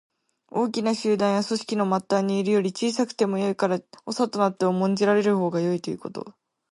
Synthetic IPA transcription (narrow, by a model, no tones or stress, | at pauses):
o̞ːk̬ʲinaɕɨːd̪ãɰ̃jaso̞ɕi̥kʲino̞mat̪ːaːɲ̟iːɾɯ̟jo̞ɾʲit͡ɕiːsakɯ̟̥t̪e̞mo̞jo̞ikaɾaosat̪o̞nat̪ːe̞omõ̞ɲ̟d͡ʑiɾaɾe̞ɾɯ̟ho̞ːɡajo̞it̪o̞jɯ̟̰ko̞t̪o̞̰